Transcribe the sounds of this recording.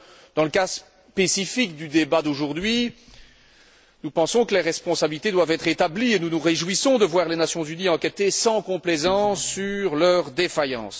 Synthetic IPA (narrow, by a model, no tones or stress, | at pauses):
d̪̥ɑ̃ləkas | pesifikd̪yd̪ebad̪oʒuʁd̪ɥi | nupɑ̃sɔ̃kəleʁɛspɔ̃sabilit̪ed̪wavɛt̪χet̪ablienunuʁeʒwisɔ̃d̪əvwaʁlenasjɔ̃zyniɑ̃kʲɛt̪esɑ̃kɔ̃plezɑ̃sːyʁlœʁd̪efajɑ̰̃ːs